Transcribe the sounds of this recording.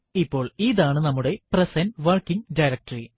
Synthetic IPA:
ipːo̞ːɭiːðaːɳɨnɐmːuɽe̞prɐsɐnʋɐrkiŋɖɐjɾɐk̚ʈɐri

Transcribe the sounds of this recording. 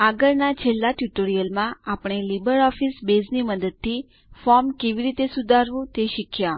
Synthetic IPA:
aɡəɾnat͡ʃʰelːat̪juʈoɾijəlmãapɽ̃elibəɾɔfisbezniməd̪əd̪̚t̪ʰi | fɔɾmkeʋiɾit̪esud̪ʱaɾʋũt̪eʃikʰja

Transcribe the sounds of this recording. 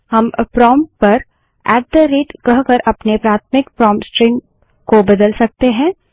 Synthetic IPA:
hɐmpɾɔːmpɐɾ | ɛːʈ̚d̪əɾeːʈkɐɦkɐɾʔɐpnepɾaːt̪ʰmɪk̚pɾɔːmsʈɾɪ̃ŋɡ | kobɐd̪əlsɐk̚t̪eɦɛ̃ː

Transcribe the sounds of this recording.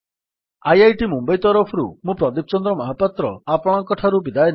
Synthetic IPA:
ajajʈimumbajt̪ɔɾɔpʰɔɾṵmũpɾɔd̪ip̚t͡ʃɔnd̪ɾɔmɔɦapat̪ɾɔapɔɽ̃ɔŋkɔʈʰaɾubid̪ajn

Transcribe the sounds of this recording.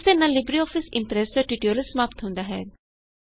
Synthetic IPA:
senalɪbɾiɔːfʰɪsɪ̃mpɾeːsd͡ʒɔʈiʈioɾəsəmaːpt̪ɦõːnd̪aɦɛ̰ː

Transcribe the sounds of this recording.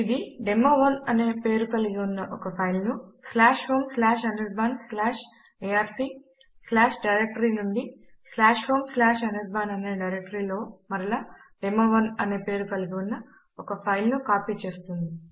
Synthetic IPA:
id̪iɖemːɐʋɐnɐne̞ːpe̞ːɾukɐliɡiunːɐʔɔkɐpʰɐjlnuslaːʂhoːmslaːʂɐnɐɖbaːnslaːʂ | eaːɾsi | slaːʂɖɐjɾek̚ʈɐɾinuɳɖislaːʂhoːmslaːʂɐnɐɾbaːnɐneːɖɐjɾek̚ʈɐɾiːlo̞ːmɐɾilaːɖemːɐʋɐnɐne̞ːpe̞ːɾukɐliɡiunːɐ | ɔkɐpʰɐjlnukaːpiːt͡ʃe̞ːst̪und̪i

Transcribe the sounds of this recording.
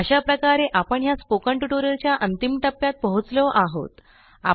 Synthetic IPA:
əɕapɾəkaɾeʔapəɳjaspokəɳʈuʈoɾəɾt͡ɕjaʔənt̪imʈəpːjat̪̚pəɦut͡sləʔaɦo̰t̪ | a̰

